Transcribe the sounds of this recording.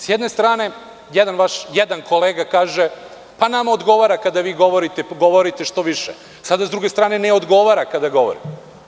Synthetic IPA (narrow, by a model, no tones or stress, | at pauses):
sjɛd̪ne̞st̪ɾaːne̞ | jɛd̪anʋaʃjed̪anko̞leːɡakaːʒe | panamaod̪ɡo̞ʋaːɾakad̪aʋiːɡo̞ʋoɾit̪eɡo̞ʋoɾit̪eʃt̪o̞ʋiʃḛ | sad̪azd̪ɾuɡest̪ɾaːne̞neod̪ɡo̞ʋaɾakad̪aɡo̞ʋo̰ɾḭm